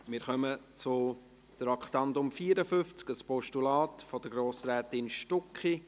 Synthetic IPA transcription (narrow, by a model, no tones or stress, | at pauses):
mɪːɾχœmət͡sʊ | d̪̥ɾɑkχtɑndʊmfiːɾəfʏft͡skəspɔʃtulɑːtfɔd̥əɡɾoːsɾɛːtɪnʃtʊkχi